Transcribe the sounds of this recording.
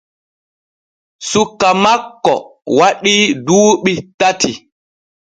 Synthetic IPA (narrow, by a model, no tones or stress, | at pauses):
sukːamakːɔ̰waɗiduːɓitatʰi